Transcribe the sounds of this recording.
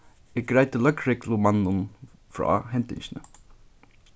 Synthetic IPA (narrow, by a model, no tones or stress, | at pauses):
ɪɡ̥ɾæɪt̪əlœkɾɪklʊmɑnːʊn | fɾɑ̰ːhɛnt̪ɪ̰ŋʃnə̰